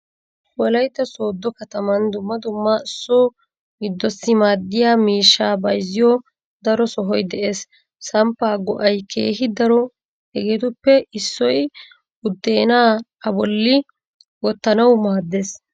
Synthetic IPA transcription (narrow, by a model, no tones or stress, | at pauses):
wɔlɐjt̪ːɐso̞ːd̪ːɔkɐt̪ɐmɐnd̪ʊmːɐd̪ʊmːɐɪsːoː | ɡɪd̪ːɔsːɪmaːd̪ːɪjaːmiːʃːaːbɐjzɪjɔ | d̪ɐɾɔsɔɦɔjd̪ɛʔe̞ːsː | ɐmpːaːɡɔʔɐjkʰe̞̰ːɦɪd̪ɐɾɔ | hɛɡet̪ʊpːɛɪsːɔj | ʊd̪ːe̞ːnaː | ɐbɔlːɪ | wɔt̪ːɐnɐwmaːd̪ːes